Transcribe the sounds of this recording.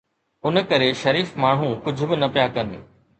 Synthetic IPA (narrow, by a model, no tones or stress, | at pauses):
ʊn̆kɐɾeʃɐɾiːfmaːɳ̤̃ũkʊd͡ʑʱʊ̆bɪnɐpjakɐ̃ne